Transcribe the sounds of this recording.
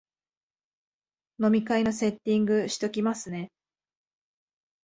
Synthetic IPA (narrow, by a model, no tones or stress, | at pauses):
no̞mʲikaino̞se̞t̪ʲːĩŋɡɯ̟ɕi̥t̪o̞kʲimasɨne̞